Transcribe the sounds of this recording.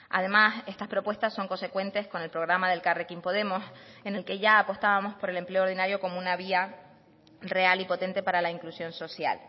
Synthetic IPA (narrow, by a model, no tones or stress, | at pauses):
a̰ð̞e̞mase̞st̪aspɾo̞pwe̞st̪asːo̞ŋko̞nse̞kwẽ̞nt̪e̞sko̞ne̞lpɾo̞ɣ̞ɾamaðe̞lkarekimpo̞ð̞e̞mose̞ne̞lke̞ʝaːpo̞st̪aβamo̞spo̞ɾe̞le̞mpleoɾð̞inaɾjo̞ko̞mounaβ̞ia | re̞alipo̞t̪e̞nt̪e̞paɾalaiŋklusjo̞nso̞sja̰l